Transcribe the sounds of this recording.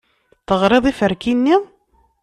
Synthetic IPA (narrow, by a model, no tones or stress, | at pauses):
θəʁɾˤeðˤifəɾkinːi